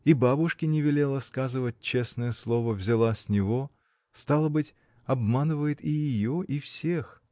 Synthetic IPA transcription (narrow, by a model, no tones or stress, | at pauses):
ibabʊʂkʲɪnʲɪvʲɪlʲe̞lˠəskazɨvət̚ʲt͡ɕe̞snəjəslˠo̞vəvzʲɪlˠasʲnʲɪvo̞ | st̪alˠəbɨtʲ | ɐbmanɨvəjɪt̪ɪjɪjoʔifsʲex